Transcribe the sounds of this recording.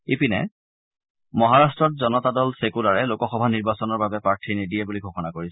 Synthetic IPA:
ipinɛ̰ | mɔɦaɹastɹɔt̚zɔnɔtadɔlsekulaɹɛlokɔxɔbʱaniɹbasɔnɔɹbabɛpɹaɹtʰinidijɛbuliɡʱoxɔnakoɹisɛ

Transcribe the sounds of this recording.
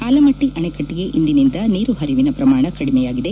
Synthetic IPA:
kaːlɐmɐʈːiʔɐɳekɐʈːiɡe̞ʔind̪inind̪ɐniːɾuɦɐɾiʋinɐpɾɐmaːɳɐkɐɽimɛjaːɡid̪e̞

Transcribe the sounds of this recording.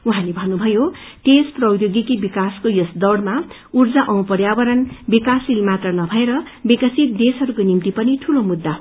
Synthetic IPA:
uɦãlebʱʌnːubʱʌjoʈesprʌwjoɡikibikaskojosd̪ʌwɽma | urd͡zaʔʌw̃pʌrjabʌɾʌnbikasilmat̪rʌnʌbʱʌeɾʌ | bikʌsit̪̚d̪esɦʌɾukonimt̪ipʌniʈʰulomud̪ːaɦo

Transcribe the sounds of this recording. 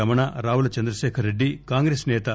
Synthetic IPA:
ɐmɐɳaɾaːʋulɐt͡ʃɐnd̪ɾɐʃɛːkʰɐɾeɖːikaːŋɡɾeːsnɛːt̪ɐ

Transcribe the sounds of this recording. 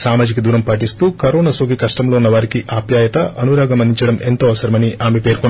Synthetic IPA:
saːmaːd͡ʒikɐd̪uːɾɐmpɐʈist̪uːkɐɾoːnɐsoːɡikɐʂʈɐmlo̞ːunːɐʋaːɾikiʔaːbʱjaːjɐt̪ɐʔɐnuɾaːɡɐmɐnd̪ʱiɲt͡ʃɐɽɐment̪oːɐʋɐsɐɾɐmɐniʔaːmepeːɾkoɳː

